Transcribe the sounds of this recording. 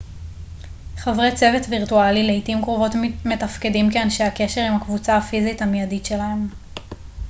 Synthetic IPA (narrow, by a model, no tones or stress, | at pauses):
χavʁet͡se̞vetviʁtualileitimkʁovo̞tmetafkedimkeanʃeake̞ʃe̞ʁimhakvut͡saːfizitamijaditʃe̞lahe̞m